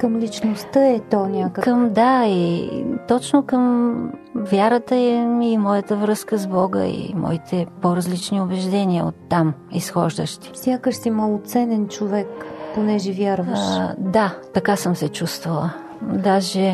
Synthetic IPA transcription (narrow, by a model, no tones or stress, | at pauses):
kəmlʲit͡ʃnost̪əɛt̪ɔnʲakəkəmd̪ait̪ɔt͡ʃnokəm | vjaɾət̪əɛimɔjət̪əvɾɤskəzbɔɡə̰ḭmɔ̰it̪ʰɛpoɾɐzlit͡ʃniʊbɛʒd̪ɛniəo̰t̪ːamḭsxɔ̰ʒd̪əʃt̪i̥sʲjakəʃt̪imolˠʊt̪sɛnɛnt͡ʃovɛkponɛʒɛvʲjaɾvəʃd̪at̪ɐkasɤmsɛt͡ʃust̪vəlˠə | d̪aʒɛ